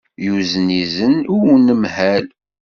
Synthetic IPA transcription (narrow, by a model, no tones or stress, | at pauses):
juzənizənuunːəmhæl